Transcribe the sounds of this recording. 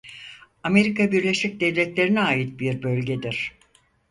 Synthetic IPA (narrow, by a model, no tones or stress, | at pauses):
ame̞ɾikabiɾlʲe̞ʃic̚d̪evlʲɛt̪lʲe̞ɾinɛaːjit̪̚biɾbølʲɟed̪iɾ̥